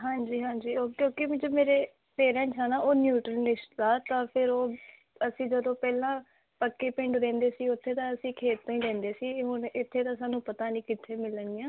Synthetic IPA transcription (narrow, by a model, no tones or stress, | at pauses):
ɦãːɲd͡ʒiːɦãːɲd͡ʒiːoːkjõːkɪmd͡ʒomeːɾeː | pʰeːɾɛ̃ːnsɛːnaːʔoːnjuːʈɾnɪʃd̪aːt̪ãːpʰɪɾoː | əsĩːd͡ʒəd̪õːpɛːlãː | pəkːeːpɪ̃ɳɖɾɛ̃ːnd̪eːsiːʊt̪ʰːeːt̪ãːəsĩːkʰeːt̪ːãːĩːɾɛ̃ːnd̪eːsiːɦʊnɪt̪ʰːeːt̪ãːsaːnũːpət̪aːnĩːkɪt̪ʰːeːmɪləniːãː